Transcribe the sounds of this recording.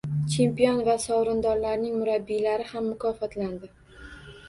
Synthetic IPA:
t͡ʃʰe̞mpijɒnvasɒwɾɪnd̪ɒɾlaɾnɪŋmʊɾabːilaɾɪhamːʊkʰɒfɒt̪land̪ɪ

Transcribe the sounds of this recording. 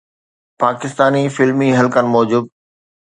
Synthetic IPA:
paːkɪst̪aːnifɪlmiɦɐlkənɪ̆mɔːd͡ʑuːd̪̚

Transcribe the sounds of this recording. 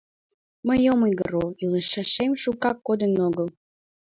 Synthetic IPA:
məjomujɡə̰ɾoiləʃɑʃemʃukɑkːod̪ənoɣəlˠ

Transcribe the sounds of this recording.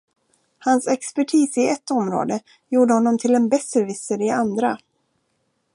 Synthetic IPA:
hansɛkspæʈʰiːsɪɛt̪ːɔmɾo̰ːd̪ə | juːɖəhɔnːɔmt̪ʰɪlɛnbɛsɛɾvɪsəɾɪand̪ɾa

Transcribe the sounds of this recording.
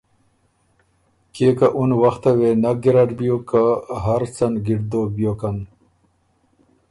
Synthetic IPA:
keːkaʔunwɐxt̪ɐwenɐɡiɾaʈbijokaɦɐɾt͡sɐnɡiɖd̪oːbjoːkɐn

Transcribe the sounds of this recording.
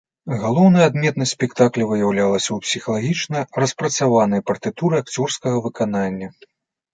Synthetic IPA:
ɣalˠɔwnɨjad̪mʲɛt̪nɐsʲpʲɛkt̪aklʲɛvɨjawlʲalˠɐsʲɐwpsʲixɐlˠaɣʲit͡ʂnɐrɐspɾɐt̪savanɨjɐpɐrt̪ɨt̪uɾɨakt͡sʲɔrskɐɣɐvɨkananʲːɐ

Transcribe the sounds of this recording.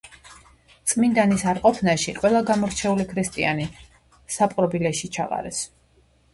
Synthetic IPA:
t̪sʼmind̪anisaɾqʼɔpʰnaʃiqʼwɛlˠaɡamɔɾt͡ʃʰɛulikʰɾist̪ʼiani | sapʼɾɔbilɛʃit͡ʃʰaqʼa̰ɾɛs

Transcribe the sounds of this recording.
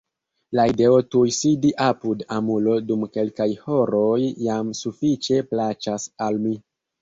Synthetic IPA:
laide̞o̞tujsidiʔapudamulo̞dumke̞lkajho̞ɾojːamsufit͡ʃe̞plat͡ʃasalmi

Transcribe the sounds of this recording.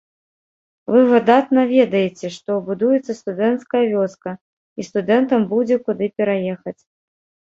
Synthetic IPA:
vɨvɐd̪at̪nɐvʲɛd̪ɐjɛt͡sʲɛʂt̪ɔbud̪ujɛt̪sːɐst̪ud̪ɛnt̪skɐjɐvʲɔskɐ | ist̪ud̪ɛnt̪ɐmbud͡zʲɛkud̪ɨpʲɛɾajɛxɐt͡sʲ

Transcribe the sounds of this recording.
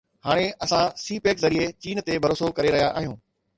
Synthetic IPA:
haːɽ̃eɐsãsiːpeːkzɐɾiet͡ɕiːnt̪ebʱɐɾoːsokɐɾeɾɐɦijaʔaːɦijũː

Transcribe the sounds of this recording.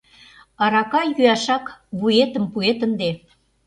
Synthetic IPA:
ɑɾɑkɑjyɑʃɑkβujet̪əmpuet̪ə̆nd̪e

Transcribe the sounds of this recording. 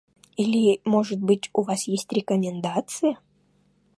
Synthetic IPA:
ilʲɪmoʐɨt̪̚bɨtʲʊvasjesʲtʲɾʲɪkəmʲɪnd̪at̪sɨjə

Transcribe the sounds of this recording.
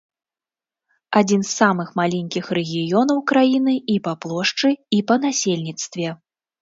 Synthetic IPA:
ad͡zʲin̪sːamɨxmalʲɛnʲkʲixrɛɣʲijɔnɐwkɾajinɨipaplˠɔʂt͡ʂɨipɐnasʲelʲnʲit̪st̪vʲɛ

